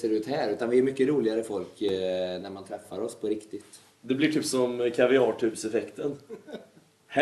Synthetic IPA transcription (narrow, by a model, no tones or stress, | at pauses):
seːɾʉ̟ːt̪hæːɾʉ̟ːt̪anvɪæɾmʏkːəɾuːlɪɡaɾəfɔlknæɾmant̪ʰɾɛfːaɾɔspʰɔɾɪkt̪ɪt̪ | d̪ɛblɪʈ̪ʰyːpsɔmkʰavɪɑːʈʰʉ̟ːɾsɛfɛkt̪ən | h